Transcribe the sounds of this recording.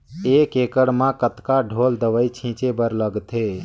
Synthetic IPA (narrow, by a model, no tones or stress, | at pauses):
ekekəɽmãkət̪kaɖʱold̪əʋəjt͡ʃʰĩt͡ʃebəɾləɡt̪ʰe